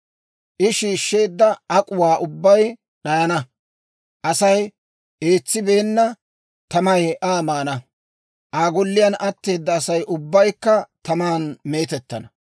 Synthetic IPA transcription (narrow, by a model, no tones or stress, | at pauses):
ʔɪʃiːʃːe̞ːd̪ːɐɐkʼʊwaːʔʊbːɐj | ɗɐjɐnɐ | ʔɐsɐj | e̞ːt͡sːɪbe̞ːnːɐ | t̪ɐmɐjʔaːmaːnɐ | ʔaːɡɔlːɪjɐnʔɐt̪ːe̞ːd̪ːɐːsɐjʔʊbːɐjkːɐt̪ɐmaːnme̞ːt̪ɛt̪ːɐnɐ